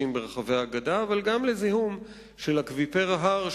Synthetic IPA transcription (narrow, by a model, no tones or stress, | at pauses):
imbeʁeχaveaːɡadaːvalɡamlezihum | ʃelakvipeʁaɦaʁ